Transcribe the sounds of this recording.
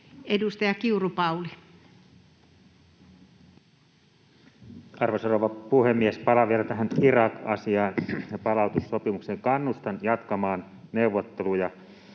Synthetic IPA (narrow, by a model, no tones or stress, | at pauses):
edust̪ɑjɑkiurupɑuli | ɑrʋosoroʋɑpuhemːiespɑlɑʋielæt̪æɦænirɑkɑsiɑːnɑpɑlɑut̪usːopimukseŋkɑnːust̪ɑnjɑt̪kɑmɑːn | neuʋːot̪ːelujɑ